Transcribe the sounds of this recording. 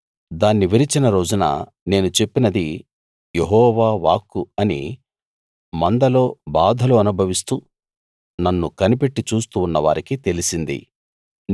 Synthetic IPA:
d̪aːnːiʋiɾit͡ʃinɐɾo̞ːd͡ʒunɐ̰ | ne̞ːnut͡ʃe̞pːinɐd̪i | jeɦɔːʋaːʋaːkːuɐnḭ | mɐnd̪ɐlo̞ːbaːd̪ʱɐluɐnubʱɐʋist̪uː | nɐnːukɐnipe̞ʈːit͡ʃuːst̪uːnːɐʋa̰ːɾikit̪e̞lisind̪ḭ

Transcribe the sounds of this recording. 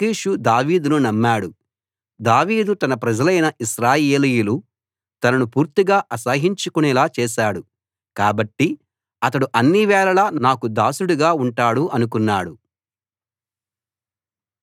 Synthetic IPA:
kiːʃud̪aːʋiːd̪ununɐmːaːɽu | d̪aːʋiːd̪ut̪ɐnɐpɾɐd͡ʒɐlɐjnɐʔiʃɾaːjeːlijulu | t̪ɐnɐnupuːɾt̪iɡaːʔɐsɐɦiɲt͡ʃukunɛlaːt͡ʃɛːʃaːɽu | kaːbɐʈːi | ɐt̪ɐɽuʔɐnːiʋɛːlɐlɐnnaːkud̪aːsuɽuɡaːuɳʈaːɽuʔɐnuk̬unːaːɽu

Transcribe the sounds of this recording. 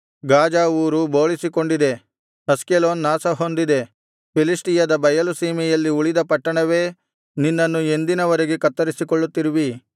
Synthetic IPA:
ɡaːd͡ʒaːuːɾubo̞ːɭisiko̞ɳɖid̪e̞ | ɐskelo̞ːnːaːsɐɦo̞nd̪id̪e̞ | pilisʈijɐd̪ɐbɐjɐlusiːmɛjɐlːiuɭid̪ɐpɐʈːɐɳɐʋe̞ː | ninːɐnːue̞nd̪inɐʋɐɾeɡekɐt̪ːɐɾisikoɭːut̪ːiɾiʋi

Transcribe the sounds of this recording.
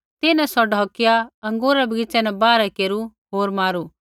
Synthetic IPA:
t̪ɪnɛ̃sɔɖʱɔːkɪjaɐ̃ŋɡoːɾɛbʱɐɡɪt͡ʃɛnɛbaːɾɛkeːɾuɦoːɾmaːɾuː

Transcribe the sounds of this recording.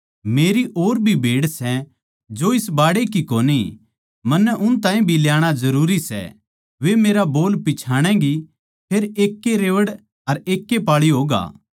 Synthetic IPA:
meːɾiʔoːɾbʱibʱeːɽsɛ | d͡ʒoɪsbaːɽekikoːni | mɐnːɛʔʊnt̪ãːĩbʱiljaːɽ̃azɐɾuːɾisɛ̰ | ʋemeːɾaboːlpɪt͡ʃʰaːɽ̃ɛ̃ɡi | pʰeːɾeːkːeɾeːʋəɽ | ɐɾeːkːepaːɭiɦoːɡa̰ː

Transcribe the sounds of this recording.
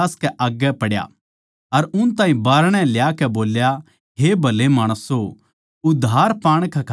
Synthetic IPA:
skɛʔaːɡːɛpɐɽja̰ | ɐɾʊnt̪ãːĩbaːɾɽ̃ɛ̃ljakɛboːlja | ɦebʱɐlemaːɽ̃əsɦo | ʊd̪ʱːaːɾpãːɽ̃kʰɛkʰ

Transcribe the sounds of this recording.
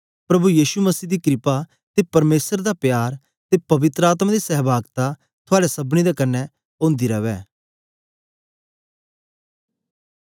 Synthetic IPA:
pɾɐbujiːʃuməsiːd̪iːkɾɪpa | t̪epɐɾmeːsəɾd̪apjaːɾ | t̪epɐʋɪt̪ɾəaːt̪mad̪isɛɦbaːɡt̪a | t̪ʰʊaːɽesɐbñid̪ekɐnːɛ | õːnd̪iɾɐʋɛː

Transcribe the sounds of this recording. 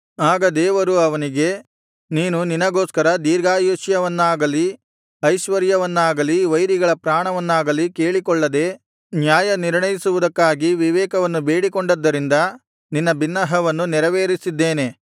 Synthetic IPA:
aːɡɐd̪ɛːʋɐɾuɐʋɐniɡe̞ | niːnuninɐɡo̞ːskɐɾɐd̪iːɾɡaːjuʃjɐʋɐnːaːɡɐli | ɐjʃʋɐɾjɐʋɐnːaːɡɐliʋɐjɾiɡɐɭɐpɾaːɳɐʋɐnːaːɡɐlike̞ːɭikɔɭːɐd̪e̞ː | njaːjɐniɾɳɐjisuʋud̪ɐkːaːɡiʋiʋɛːkɐʋɐnːubeːɽikoɳɖɐd̪ːɐɾind̪ɐ | ninːɐbinːɐɦɐʋɐnːunɛɾɐʋeːɾisid̪ːeːne̞

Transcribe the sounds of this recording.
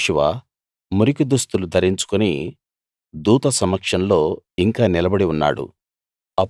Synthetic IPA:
ʂuʋa̰ | muɾikid̪ust̪ulud̪ʱɐɾiɲt͡ʃu̥kuni | d̪uːt̪ɐsɐmːɐkʂɐnlo̞ːiŋkaːnilɐbɐɽiunːa̰ːɽṵ | ɐ

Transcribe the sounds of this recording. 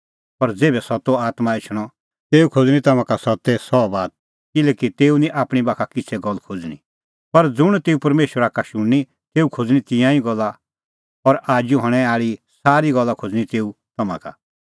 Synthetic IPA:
pɐɾd͡zeːbɛsɔt̪oaːt̪mãɪt͡ʃʰɽ̃ɔ | t̪eːukʰod͡zɽ̃ĩt̪ɐmãkasɔt̪ːɛsɔbaːt̪̚ | kɪlɛːkit̪eːunĩʔaːpɽ̃ibaːkʰakɪt͡sʰɛɡɔlːkʰod͡zñḭ̃ | pɐɾd͡zʊɽ̃t̪eːupɐɾmeːʃwəɾakaʃʊɽːi | t̪eːukʰod͡zɽ̃it̪ɪ̃jãĩɡɔlːa | ɔɾʔaːd͡ʒjuɦɔɽ̃ɛ̃aːɭisaːɾiɡɔlːakʰod͡zɽ̃ĩt̪eːu | t̪ɐmã̰ka̰

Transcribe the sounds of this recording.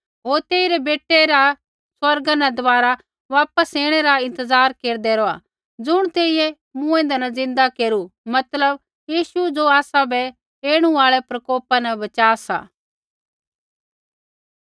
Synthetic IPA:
ɦoːɾt̪eːiɾɛbeːʈːɛɾa | swɐɾɡanɛd̪ɔʋaːɾa | ʋaːpəseːɽ̃ɛɾaɪ̃nt̪əzaːɾkeːɾd̪eɾoːa̰ | d͡zʊɽ̃t̪eːijɛ | mũːẽnd̪anɐzɪ̃nd̪akeːɾumɐt̪ləb | jiːʃud͡ʒoaːsabɛ | eːɽ̃ũaːɭɛpɾɐkoːpanɛbɐt͡ʃaːsa̰ː

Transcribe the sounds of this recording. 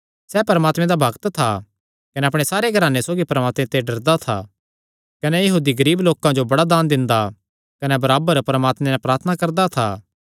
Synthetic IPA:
sɛːpɐɾmaːt̪mẽd̪abʱɐɡt̪t̪ʰa | kɐneɐpɽ̃esaːɾeɡʱɐɾaːnesoːɡipɐɾmaːt̪mẽt̪eɖɐɾd̪at̪ʰa̰ | kɐnejɐɦuːd̪iɡɐɾiːbloːkãd͡ʒobɐɽad̪aːnd̪ɪ̃nd̪a | kɐnebɐɾaːbəɾpɐɾəmaːt̪mẽnapɾaːɾt̪ʰnakɐɾd̪at̪ʰa̰ː

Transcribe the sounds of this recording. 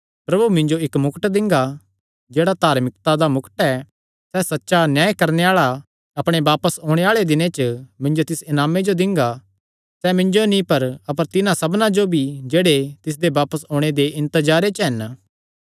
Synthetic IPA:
pɾɐbʱumɪ̃ɲd͡ʒoɪkmʊkəʈd̪ɪ̃ŋɡa | d͡ʒeːɽat̪aːɾmɪkt̪ad̪amʊkʈɛ | sɛsɐtːʃanjaːjkɐɾneaːɭa | ɐpɽ̃ebaːpəsɦõːɽ̃eaːɭed̪ɪnẽt͡ʃəmɪ̃ɲd͡ʒot̪ɪsɪnaːmed͡ʒod̪ɪ̃ŋɡa | sɛmɪ̃ɲd͡ʒonĩpɐɾɐp̬əɾt̪ɪnãsɐbnãd͡ʒobʱid͡ʒeːɽet̪ɪs̬d̪ebaːpəsõːɽ̃ed̪eʔɪ̃nt̪əd͡ʒaːɾet͡ʃɦɐn

